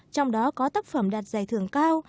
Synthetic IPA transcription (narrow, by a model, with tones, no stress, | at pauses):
t͡ɕɔ˧wŋ͡mɗɔ˨˦kɔ˨˦t̪aː˦˥k̚fə˧˩mɗaː˨˩t̚zaː˧˩jt̪ʰɨ˧˩əŋkaː˧w